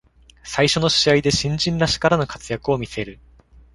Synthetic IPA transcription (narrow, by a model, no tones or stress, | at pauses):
saiɕo̞no̞ɕiaid̪e̞ɕĩɲd͡ʑĩnɾaɕi̥kaɾano̞kḁt͡sɨjakɯo̞mʲise̞ɾɯ̟